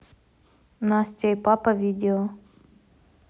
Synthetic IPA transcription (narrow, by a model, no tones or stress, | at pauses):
nasʲtʲejpapɐvʲidʲɪlˠ